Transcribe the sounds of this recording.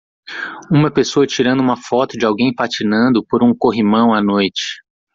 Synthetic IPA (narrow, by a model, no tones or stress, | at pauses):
ũmɐpesoɐt͡ʃiɾɐ̃nd̪ʊũmɐfɔt̪ʊd͡ʒɪawɡẽj̃pat͡ʃinɐ̃nd̪ʊpoɾũkoɦimɐ̃w̃anojt͡ʃɪ̥